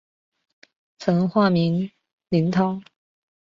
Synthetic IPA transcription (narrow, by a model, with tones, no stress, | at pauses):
t͡sʰɤ˧˥nxwa˥˩mi˧˥n | li˧˥nt̪ʰɑ˥ŋ